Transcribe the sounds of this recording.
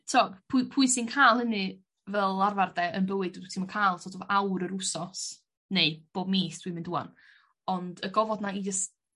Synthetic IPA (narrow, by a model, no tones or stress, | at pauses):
tʰɔpʰupʰʊɨsɪnkʰaːlˠhənɨ | vɛlˠarvardɛənbəwɨdɛdutʰːmənkʰaːlˠtʰɔdovʔawɾəɾusɔs | neɨb̥oːbmiːθd̥wimɪndua̰n | ɔndəɡɔvɔdnaid͡ʒəst